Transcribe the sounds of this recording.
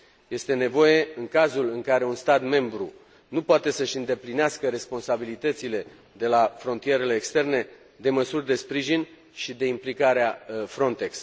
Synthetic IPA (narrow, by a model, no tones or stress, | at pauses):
je̞st̪e̞ne̞vo̞je̞ɨŋkazulɨŋkaɾe̞unst̪at̪me̞mbɾṵ | nupoat̪e̞səʃɨnd̪e̞plineaskəɾe̞spo̞nsabilit̪ət̪sile̞ | d̪e̞lafɾo̞nt̪ije̞ɾe̞le̞ːkst̪e̞rne̞ | d̪e̞məsurʲd̪e̞spɾiʒin | ʃid̪e̞implikaɾeafɾo̞nt̪e̞ks